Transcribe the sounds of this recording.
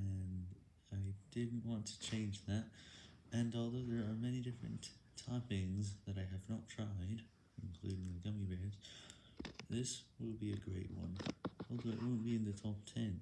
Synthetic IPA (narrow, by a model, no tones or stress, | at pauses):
ɨ̃n | aɪd̥ɪdⁿn̩ʔwɑ̃ntʰɨ̥t͡ʃʰẽɪ̃nd͡ʒðæt̚ɨ̃nɔlˠðoʊðə˞ːmɛnidɪfɹɨ̰̃ntʰ | aɪpɪ̃ŋzðɨɾaɪɨvnətʰɹ̥aɪd | ɨ̃n̩kʰl̥ʉɾɪ̃ŋðɨɡʌmibɛɹdz̥ | ðɪswɪlˠbiɨɡɹeɪʔ̚wʌ̰̃nɔlˠðoʊɨʔ̚wʊn̩b̥iɨ̃nðɨtʰɔp̚tʰɛ̃n